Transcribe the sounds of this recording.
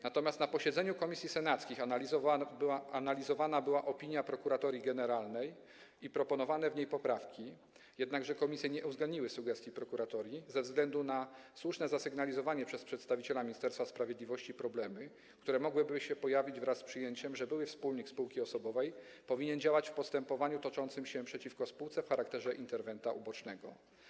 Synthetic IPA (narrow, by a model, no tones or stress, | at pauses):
nat̪ɔmʲast̪napɔɕɛd̪zɛɲukɔmʲisʲisɛnat̪skʲixanalʲizɔvbwaanalʲizɔvanabɘwaʔɔpʲiɲjapɾɔkuɾat̪ɔɾʲjiɡɛnɛɾalnɛj | ipɾɔpɔnɔvanɛvɲejpɔpɾafkʲi | jɛd̪naɡʐɛkɔmʲisʲjɛɲɛʔuzɡlɛnd̪ɲiwɘsuɡɛst̪ʲjipɾɔkuɾat̪ɔɾʲjizɛvzɡlɛnd̪unaswuʂnɛzasɘɡnalʲizɔvaɲɛpʂɛspʂɛt̪st̪avʲit͡ɕɛlamʲiɲist̪ɛɾst̪faspɾavʲjed̪lʲivɔɕt͡ɕipɾɔblɛmɘ | kt̪uɾɛmɔɡwɘbɘɕɛpɔjavʲid͡ʑvɾasːpʂɘjeɲt͡ɕɛmʐɛbɘwɘfspulɲikspuwkʲiɔsɔbɔvɛj | pɔvʲiɲɛnd͡ʑawat͡ɕfpɔst̪ɛmpɔvaɲut̪ɔt͡ʂɔnt̪sɘmɕɛpʂɛt͡ɕifkɔspuwt̪sɛfxaɾakt̪ɛʐɛʔint̪ɛɾvɛnt̪aʔubɔt͡ʂnɛɡɔ̰